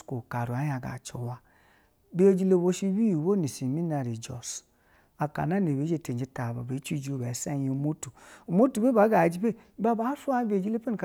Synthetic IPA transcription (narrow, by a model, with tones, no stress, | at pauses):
ko˨ka˨ɾu˨a˨˦ja˨ɡa̰˨t͡ʃo˨wa˦ | be˦o˦d͡ʒi˦le˦bo˦ʃi˦wi˦˨wo˦ni˨si˨mi˦na˨ɾi˨d͡ʒɔ̰˨s | a˨ka̰˨na˦ne˨βe˨˦d͡ʒe˨te˨d͡ʒi˦ta˨ba˨be˨˦t͡ʃi˦˨d͡ʒo˨be˨˦sa˦ji˨˦mo˦tu˨u˨mo˦tu˨be˦ba˨˦ɡa˨d͡ʒi˦be˦˨˦ba˦ba˨˦fu˦a˦be˨d͡ʒi˦le˦pe˦n˨k